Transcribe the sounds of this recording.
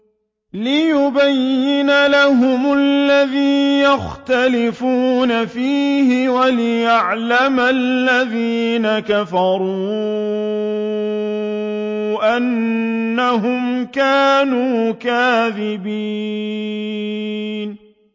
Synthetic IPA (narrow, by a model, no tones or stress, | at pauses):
lɪjʊbajːɪnalaɦʊmlːaðiːjaxt̪alɪfuːnafiːhɪwalɪjaʕlamalːaðiːnakafɑɾˤuː | ʔanː | aɦʊmkaːnuːkaːðɪbiː | n